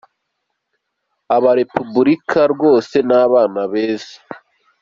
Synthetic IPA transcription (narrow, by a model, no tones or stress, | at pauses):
aβaɾe̞pubuɾikʰaɾɡo̞ːse̞naːβaːnaβeːze̥